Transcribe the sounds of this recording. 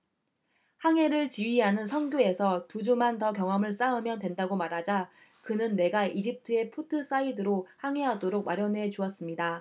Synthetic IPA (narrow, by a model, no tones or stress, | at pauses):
haŋɦe̞ɾɯɭt͡ɕiɥiɦanɯnsʰʌŋɡjoe̞sʰʌtud͡ʑumantʌkjʌŋɦʌmɯɭs͈aɯmjʌndwe̞ndaɡomaɾɦad͡ʑa | kɯnɯnːe̞ɡaʔid͡ʑip̚tʰɯe̞pʰotʰɯs͈aidɯɾohaŋɦeɦadoɾok̚maɾjʌnwe̞t͡ɕuʌs͈ɯmɲida